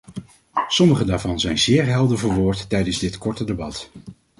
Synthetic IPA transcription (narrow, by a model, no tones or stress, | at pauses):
sɔməχədaːɹvɑnzɛjnzɪːɹɦɛlˠdəvəːɹʋʊːɹtːɛjdənzdɪtkɔɹtədebɑt